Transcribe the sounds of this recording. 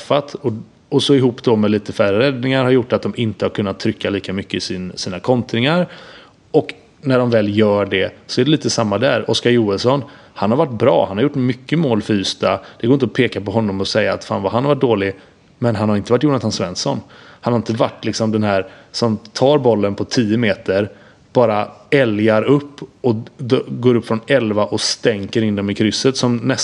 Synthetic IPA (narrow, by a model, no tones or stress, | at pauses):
ɛfːat̪ɔ | ɔsɔɪɦuːpːd̪ɔmɛliːt̪əfæɾːəɾɛd̪nɪŋaɾhaɾjʊʈːat̪̚d̪ɔmɪnt̪əhaɾkʰɵnːat̪ʰːɾʏkːaliːkamʏkːəɪsɪnsiːnakʰɔnt̪ɾɪŋaɾ | ɔk | næɖɔmvɛːljœːɖɛsɔɛɖɛliːt̪əsamːad̪æɾɔskaɾjuːəlsɔn | hanhaɾvaʈːbɾɑ̰ːhanhaɾjʊʈːmʏkːəmoːlfœɾyːst̪ad̪̥ɛɡoːɾɪnt̪ɔpʰeːkapɔɦɔnːɔmɔsɛjːaːt̪fa̰ːnvaɦanhaɾvaʈ̚d̪oːlɪ | mɛnɦanhaɾɪnt̪əvaʈːjuːɳat̪ʰansvɛnsɔnhanhaɾɪnt̪əvaʈːlɪksɔmd̪ɛnɦæːɾsɔmt̪ʰɑːɾbɔlːənpʰɔt̪ʰiːəmeːt̪əɾ | b̥ɑːɾaɛljaɾɵpːɔɡoːɾɵpːfɾɔnɛlvaʔɔst̪ɛŋkəɾɪnd̪ɔmɪkʰɾʏsːət̪sɔmnɛs